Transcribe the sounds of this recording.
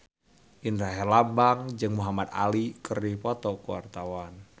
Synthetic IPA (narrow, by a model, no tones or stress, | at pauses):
ʔinɾaɦɛrlabaŋd͡ʒɨŋmuɦamat̪̚a̰likəripɔt̪ɔkuwa̰rt̪awan